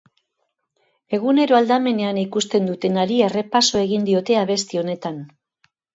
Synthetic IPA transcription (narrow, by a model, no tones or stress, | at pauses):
e̞ɣ̞une̞ɾoald̪ame̞ne̞anikust̪e̞nd̪ut̪e̞naɾiere̞paso̞e̞ɣind̪io̞t̪e̞aβ̞e̞st̪io̞ne̞t̪an